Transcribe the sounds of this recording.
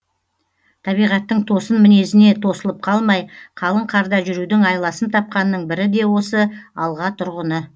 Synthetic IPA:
t̪ʰɑβijʁɑt̪ːəɴt̪ʰo̞sənmɪne̞sɪne̞t̪ʰo̞səlˠəp̚qʰɑlˠmɑjqʰɑlˠəɴqʰɑɾd̪ɑʒʏɾud̪ɪŋɑjlˠɑsənt̪ʰɑp̚qɑnːəɴbɪɾɪd̪e̞wo̞səɑlˠʁɑt̪ʰʊɾʁənə

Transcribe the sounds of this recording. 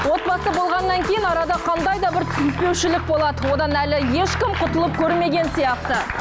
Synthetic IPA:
wo̞t̪̚bɑsəbo̞lˠʁɑnːɑŋkʲʰe̞jɪnɑɾɑd̪ɑqʰɑnd̪ɑjd̪ɑbɪɾt̪ʰʏzɪk̪̚pe̞wʃɪlɪk̚bo̞lˠɑd̪əwo̞d̪ɑnælɪje̞ʃkʲɪmqʰʊt̪əlˠəp̚kʲʰɵɾme̞ɡʲe̞nsijɑqt̪ə

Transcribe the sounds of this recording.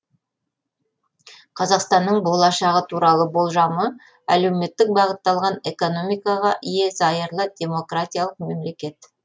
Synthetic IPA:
qʰɑzɑqst̪ɑnːəɴbo̞lˠɑʃɑʁət̪ʰuɾɑlˠəbo̞lˠʒɑmə | æ̰le̞wme̞t̪ːɪk̚bɑʁət̪ːɑlˠʁɑne̞ko̞no̞mijkɑʁɑʔije̞zɑjəɾlˠəd̪ʲe̞mo̞krat̪ʲijalˠəqme̞mle̞kʲe̞t̪

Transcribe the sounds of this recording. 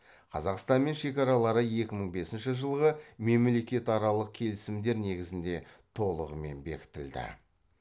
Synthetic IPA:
qʰɑ̰zɑqst̪ɑnme̞nʃe̞kʲɑɾɑlˠɑɾəje̞kʲɪməɴbe̞sɪnʃɪʒəlˠʁəme̞mle̞kʲe̞t̪ɑɾɑlˠəq̚kʲʰe̞lɪsɪmd̪e̞ɾne̞ɡʲɪzɪnd̪e̞t̪ʰo̞lˠəʁəme̞nbe̞̰kʲɪ̥t̪ɪld̪ɪ̰

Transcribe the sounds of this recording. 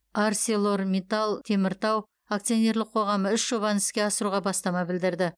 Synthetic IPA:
aɾselˠo̞ɾmʲet̪alˠt̪ʰe̞mɪɾt̪ɑw | akt̪sijo̞ne̞ɾlˠɪqʰo̞ʁɑməʏʃʒ̥o̞βɑnɪskʲe̞ɑsəɾuʁɑbɑst̪ɑmɑbɪld̪ɪɾd̪ɪ

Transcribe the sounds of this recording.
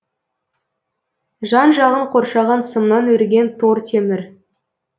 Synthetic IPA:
ʒɑnʒɑʁəɴqʰo̞ɾʃɑʁɑnsəmnɑnɵɾɡʲe̞nt̪ʰoɾt̪ʲʰe̞mɪɾ

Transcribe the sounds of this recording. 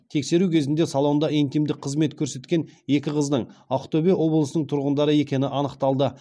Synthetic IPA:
t̪ʰe̞kse̞ɾukʲʰe̞zɪnd̪e̞salˠo̞nd̪ɑent̪ijmd̪ɪk̚ʲqʰəzme̞t̪kʲʰɵɾse̞t̪kʲe̞ne̞kʲɪqʰəznəɴaqt̪obewo̞blˠəsənəɴt̪ʰʊɾʁənd̪ɑɾəe̞kʲe̞nɪʔɑnəqt̪ɑlˠd̪ə

